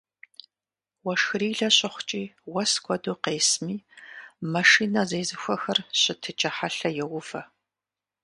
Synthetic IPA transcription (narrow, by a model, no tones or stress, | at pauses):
wɐʂxɨriːɮɐɕʼɪχʷʊt͡ʃʼiːwɐskʷʰʼɔduːqeːsmiːmɐʂiːnɐzeːzɨxʷɔxɐrɕʼɪtʰɨt͡ʃʼɐħaɬɐjɛwʊfɐ